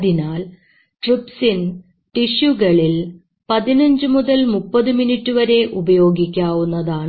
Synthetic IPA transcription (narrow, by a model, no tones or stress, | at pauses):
ðinaːl | ʈripsin | ʈiɕuɡɐɭil | pɐðinɐɲd͡ʑɨmuðɐlmupːɐðɨminiʈːuʋɐɾe̞ʔubɐjo̞ːɡikʲːaːʋunːɐðaːɳ